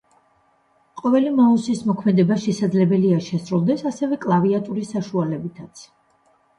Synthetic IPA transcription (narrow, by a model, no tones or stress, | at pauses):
qʼɔvɛlimausismɔkʰmɛd̪ɛbaʃɛsad̪zlɛbɛliaʃɛsɾulˠd̪ɛsasɛvɛkʼlˠaviat̪ʼuɾisaʃualɛbit̪ʰat̪sʰ